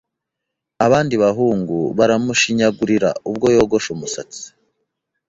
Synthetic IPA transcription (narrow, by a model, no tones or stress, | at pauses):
aβaːndiβaɦuːŋɡuβaɾamuʃiɲaɡuɾiɾa̰ub̚ɡo̞joːɡo̞ʃumusa̰t͡si̥